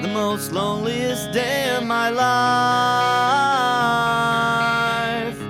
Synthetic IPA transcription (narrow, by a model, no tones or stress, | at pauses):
ðɨmoʊstˡlõʊ̃nliɪsd̥eɪʌvmaɪla | f